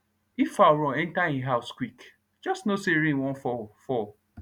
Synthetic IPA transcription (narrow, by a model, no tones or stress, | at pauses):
ifaʊɾɔ̃ɛ̃ntaẽɦaʊskwik | d͡ʒɔstnoseɾĩnwɔ̃nfɔfɔ